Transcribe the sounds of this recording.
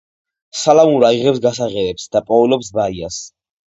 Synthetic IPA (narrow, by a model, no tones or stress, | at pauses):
salamuɾaiʁɛps̬ɡasaʁɛɾɛpsd̪apʼɔulɔpsbaias